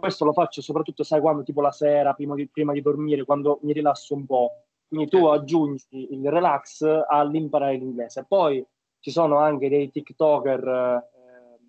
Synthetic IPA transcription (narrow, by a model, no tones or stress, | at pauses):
kwest̪olofat͡ʃːosopɾat̪ːut̪ːosajkwand̪ot̪iːpolasɛːɾapɾiːmad̪ipɾiːmad̪id̪ormiːɾekwand̪omiɾilasːoumpɔ | kwind̪it̪uad͡ʒːund͡ʒiːlrelaksalːimpaɾaːɾeliŋɡlɛːzeːpːɔj | t͡ʃisoːnoaŋk̟ed̪ejt̪ikt̪ɔːker